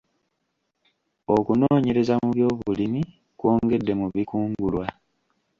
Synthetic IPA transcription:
o̞kunoːɲe̞ɾe̞zamuβjo̞ːβulimi | kwo̞ːŋɡe̞dːe̞muβikuːŋɡɡulwa

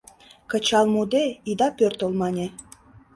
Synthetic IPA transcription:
kə̆t͡ɕɑlˠmud̪eid̪ɑpʲørt̪ŏlˠmɑnʲe

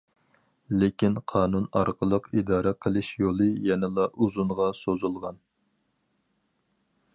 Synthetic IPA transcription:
lekʲinqʰɑːnunɑ̰ɾqʰəlˠəqid̪ɑːɾɛqʰəlˠɨʃjolˠɨjɛnɪlˠɑʔuzunʁɑsozulˠʁɑn

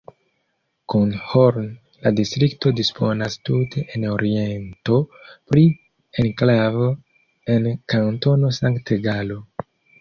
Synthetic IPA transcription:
kunhoɾn | la̰distɾikto̞dispʰo̞nastutʰe̞ʔeno̞ɾie̞nto̞pɾi | e̞nklavo | e̞nkanto̞no̞saŋkteɡalo̞

